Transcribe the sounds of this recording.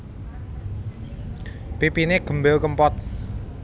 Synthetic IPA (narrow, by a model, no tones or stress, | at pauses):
pipineɡ̥ə̤mbɛlkəmpɔt̪̚